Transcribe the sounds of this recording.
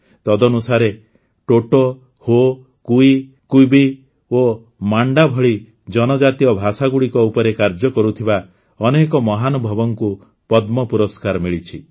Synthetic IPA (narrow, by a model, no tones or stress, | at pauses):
t̪ɔd̪ɔnusaɾe | ʈoʈɔ | ho | kui | kujbi | o | maɳɖabʱɔɭi | d͡ʒɔnɔd͡ʒat̪ijɔbʱasaɡuɭikɔupɔɾekaɾd͡ʒɔkɔɾut̪ʰiba | ɔnekɔmɔɦanɔbʱɔbɔŋku | pɔd̪mɔpuɾɔskaɾmiɭit͡ʃʰi